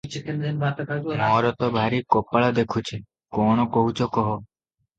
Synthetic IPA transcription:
t͡ʃik̪ind̪enbat̪ɔkaɡmɔɾɔt̪ɔbʱaɾikɔpaɭad̪ekʰut͡ʃʰe | kɔɽ̃ɔkoɦut͡ʃʰɔkɔɦɔ

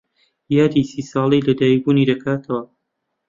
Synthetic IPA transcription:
jaːd̪isiːsɑːlˠijlɐd̪aːjibuːniːd̪ɐkʰaːt̪ʰɐwɐ

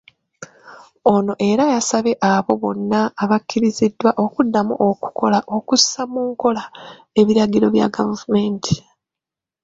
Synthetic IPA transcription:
o̞no̞ʔe̞ɾajasaβe̞ʔaβo̞βo̞nːaːβakʰːiɾizidːwaʔokudːamuʔoku̥ko̞laʔo̞kusamuːŋko̞la | e̞βiɾaɡiɾo̞βja̰ɡavvume̞ːntʰi̥

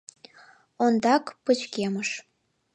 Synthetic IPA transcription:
ond̪ɑkpə̆t͡ɕkemə̆ʃ

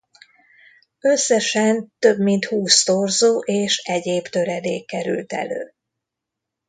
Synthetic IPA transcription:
øsːɛʃɛnt̪ø̞bmint̪huːst̪orzoːʔeːʃɛɟeːbt̪øɾɛd̪eːkkːɛɾy̰lt̪ɛ̰lø̰ː

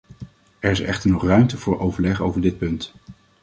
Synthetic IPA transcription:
ɛɹɪsɛχtəɹnɔχrœɥmtəvʊːɹʔowvəɹlɛχo̰wvəɹdɪt̚pɵnt

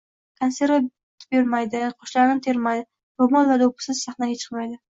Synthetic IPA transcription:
kʰanse̞ɾva | t̪beɾmajd̪ɪqʰoʃlaɾɪmt̪ʰe̞ɾmajd̪ɪ | ɾomɒnvad̪aopʰɪ̥sɪz̥saχnaɡʲat͡ʃʰɨ̥qmajd̪ɪ

